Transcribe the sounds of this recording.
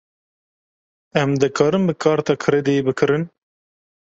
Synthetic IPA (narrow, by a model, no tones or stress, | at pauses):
ɛmd̪ɨkʰɑːɾɨmbɨkʰɑːɾt̪ɑːkʰɨɾed̪ejebɨkʰɨɾɨn